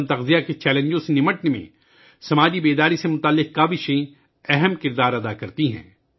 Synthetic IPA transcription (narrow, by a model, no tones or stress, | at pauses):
nt̪ɐqzijaket͡ʃɛːlẽɲd͡ʒõsenɪməʈnemḛ̃ | sɐmaːd͡ʒibeːd̪aːɾisemʊt̪aːlːɪq̚kaːbiʃɐĩ | ɛɦɛmkɪɾd̪aːɾɐd̪akɐɾt̪iɦɛ̰̃ː